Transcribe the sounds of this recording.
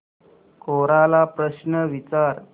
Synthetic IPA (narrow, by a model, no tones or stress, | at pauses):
kʰoɾalapɾəɕnəʋit͡saɾ